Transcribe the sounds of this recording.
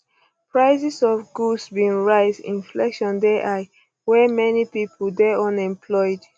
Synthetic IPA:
pɹaɪsisɔfɡusbĩnɹaɪsḭ̃nflɛ̰kʃɔ̃ndɛʔaɪ | wɛmɛnipipʰodɛɔ̃nɛ̃mpʰlɔɪd

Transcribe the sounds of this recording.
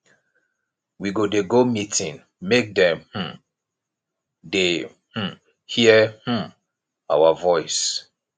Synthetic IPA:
wiɡodeɡomitʰĩn | mek̚dɛ̃mh̩ | de | h̩ | hiəh̩ | a̰wavɔɪs

